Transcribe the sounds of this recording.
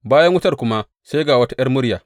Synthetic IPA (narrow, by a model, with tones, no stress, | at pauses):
baː˦jɐ˦ŋwʊ˦tɐ˦˨rkʷʊ˦ma˦ | se˦ɡaː˨wɐ˦ta˦j̰ɐ˦rmʊ˦ɽjaː˨